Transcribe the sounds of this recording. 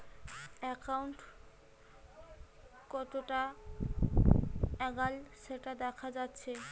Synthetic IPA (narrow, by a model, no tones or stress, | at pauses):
ɛkawɳʈ | kɔt̪oʈa | ɛɡalʃeʈad̪ɛkʰad͡ʑatːɕʰe